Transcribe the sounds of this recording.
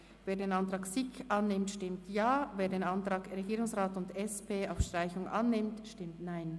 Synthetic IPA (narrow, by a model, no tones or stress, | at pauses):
veːɐdeːnantʁaːksiçʔanːɪmtʃtɪmtjaːveːɐdeːnantʁ̥aːkʁeɡiːɾʊŋsʁaːtʊndɛspʰeːaʊfʃtʁ̥aɪçʊŋʔa̰nːɪmtʃtɪmtnaɪn